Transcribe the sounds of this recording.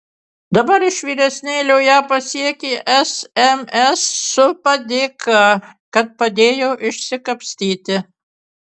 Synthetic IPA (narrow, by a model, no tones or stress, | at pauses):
d̪ɐbɐɾɪʃʋʲiːɾʲɛsʲnʲeːlʲɛʊjæːpɐsʲiɛkʲeːʔɛsɛmɛsːʊpɐd̪ʲeːkʰɑkɐt̪̚pɐd̪ʲeːjoːʔɪʃʲsʲɪkɐpʲsʲt̪ʲiːt̪ʲɪ